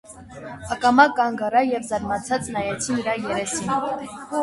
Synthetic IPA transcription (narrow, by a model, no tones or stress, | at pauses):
ɑkɑmɑkːɑŋɡɑɾɑjɛvzɑɾmɑt͡sʰɑt͡snɑjɛt͡sʰiniɾɑjɛɾɛsin